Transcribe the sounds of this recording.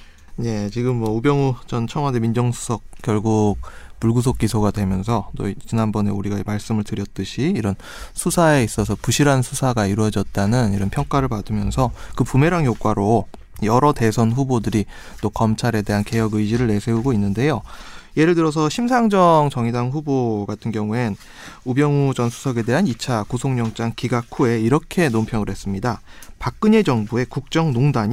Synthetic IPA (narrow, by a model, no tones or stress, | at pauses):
ne̞t͡ɕiɡɯmːwʌubjʌŋut͡ɕʌnt͡ɕʰʌŋwademind͡ʑʌŋsʰu̥sʰʌk̚k͈jʌɭɡuɡ̚puɭɡus̬ʰok̚k͈isʰoɡadwe̞mjʌnsʰʌt͈o̰t͡ɕinanbʌne̞uɾiɡaimaɭs͈ɯmɯɭtɯɾjʌt̚t͈ɯɕʰiːɾʌn | sʰusʰae̞is͈ʌsʰʌpuɕʰiɾansʰusʰaɡaiɾwʌd͡ʑʌt̚t͈anɯniɾʌnpʰjʌŋk͈aɾɯɭpadɯmjʌnsʰʌkɯpume̞ɾaŋjok͈waɾo | jʌɾʌte̞sʰʌnɸubodɯɾi | t͈okʌmt͡ɕʰaɾe̞de̞ɦanke̞jʌɡɯjd͡ʑiɾɯɭːe̞sʰeuɡoinːɯnde̞joje̞ɾɯɭtɯɾʌs̬ʰʌɕʰims̬ʰaŋd͡ʑʌŋt͡ɕʌŋidaŋɸuboɡatʰɯnɡjʌŋue̞n | ubjʌŋud͡ʑʌnsʰu̥sʰʌɡe̞de̞ɦanit͡ɕʰakosʰoŋɲʌŋt͡ɕ͈aŋkiɡakʰue̞iɾʌkʰe̞nompʰjʌŋɯɭɦe̞s͈ɯmɲidapak̚k͈ɯɲe̞d͡ʑʌŋbue̞kuk̚t͡ɕ͈ʌŋnoŋdaɲ